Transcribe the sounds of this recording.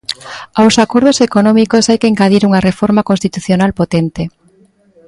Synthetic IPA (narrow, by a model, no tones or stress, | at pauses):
awsakoɾð̞osekonɔ̃mikosajkeiŋkaðiɾuŋɐrefɔɾmakonst̪it̪uθjonalpot̪ent̪e